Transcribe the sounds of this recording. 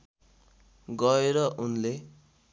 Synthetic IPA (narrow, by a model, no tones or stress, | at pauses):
ɡʌeɾʌʔunle